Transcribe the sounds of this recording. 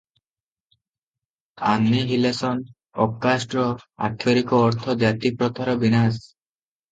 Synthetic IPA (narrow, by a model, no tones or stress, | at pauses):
anːiɦilesɔn | ɔkːasʈɾɔa̰ʈʰːoɾikɔːɾt̪ʰɔd͡ʒat̪ipɾɔt̪ʰaɾɔbinas